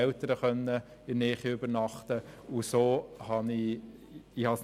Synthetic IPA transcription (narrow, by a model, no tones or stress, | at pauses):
ɛltəɾəχœnːə | ɪnɛːχiʏbənɑχtəusoːhɑni | ihɑs